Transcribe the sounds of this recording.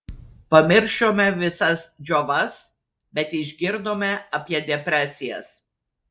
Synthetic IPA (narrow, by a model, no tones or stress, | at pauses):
pɐmʲɪɾʲʃoːmʲɛʋʲɪsɐsd͡ʒʲoʋɐs | bʲɛt̪ɪʒʲɡʲɪɾd̪oːmʲɛɐpʲiɛd̪ʲɛpʲɾʲæːˑsʲɪjɛ̰s